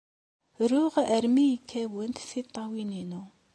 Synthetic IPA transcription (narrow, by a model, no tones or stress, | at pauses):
ɾuʁʔəɾmijkʰːæwənt̪θit̪ˤːɑwininu